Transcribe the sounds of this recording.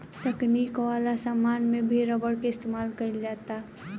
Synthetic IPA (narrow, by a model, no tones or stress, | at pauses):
t̪ɐkniːkʋaːlasəmːaːnmẽbʱeɾəbəɽkeɪst̪eːmaːlkɐɪld͡ʒaːt̪a